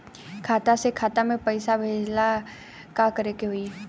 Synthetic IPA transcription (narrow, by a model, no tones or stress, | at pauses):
kʰaːt̪asekʰaːt̪amẽpəɪsabʱeːd͡ʒla | kakəɾekeɦoi